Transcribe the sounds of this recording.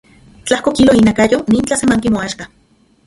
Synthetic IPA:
t͡ɬahkokiloinakajoniːnt͡ɬasemaŋkimoaʃka

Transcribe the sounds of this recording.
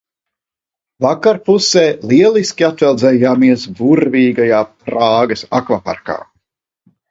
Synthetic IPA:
vakaɾpuseːliɛlˠiskʲiat̪vɛlˠd̪zɛːjaːmiɛsbuɾviːɡajaːpɾaːɡɐsakvapa̰ɾka̰ː

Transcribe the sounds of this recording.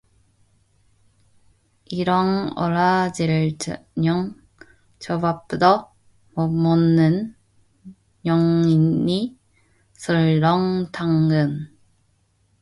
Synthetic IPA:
iɾʌŋʌ̰ɭad͡ʑiɾɲʌŋ | t͡ɕʌbap͈udʌ | mʌmʌnːɯn | jʌŋini | sʰʌɭːʌŋtʰaŋɡɯn

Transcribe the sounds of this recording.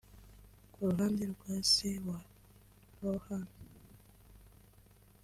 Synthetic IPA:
kʰuɾuɦaːndiɾuɡwaːsewa | ɾohan

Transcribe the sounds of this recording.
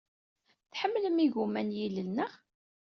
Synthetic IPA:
θħəmːləmiʝumænjiləlnəʁ

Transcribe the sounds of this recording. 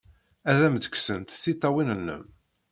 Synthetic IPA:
æðæmd̪ə̥ksənt̪θit̪ˤːɑwinəlːə̰m

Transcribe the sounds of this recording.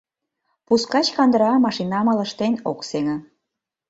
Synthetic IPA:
puskɑt͡ɕkɑnd̪əɾɑmɑʃinɑmə̆lə̆ʃt̪enokseŋə̆

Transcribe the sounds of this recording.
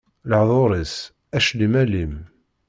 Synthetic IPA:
ləʕðˤoɾˤis | æʃlimælim

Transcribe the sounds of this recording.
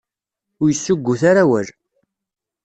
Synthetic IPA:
ʊɾjəsːʊɡʷːʊθaɾawæl

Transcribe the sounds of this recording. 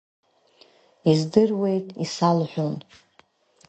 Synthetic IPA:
izdɨrwe̞jtʼisalħʷᶣun

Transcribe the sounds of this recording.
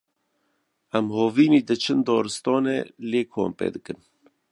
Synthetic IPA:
æmhoːviːniːd̪ɨt͡ʃʰɨnd̪ɔːɾɨst̪ɔːnḛːleːkʰo̰ːmpḛːd̪ɨkɨn

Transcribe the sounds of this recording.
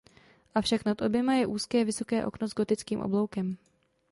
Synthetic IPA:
ʔafʃaknat̪ʔo̞bjɛmajɛʔuːskɛːvɪso̞kɛːʔo̞̰knozɡo̞t̪ɪt͡skiːmʔo̰blo̞wkɛm

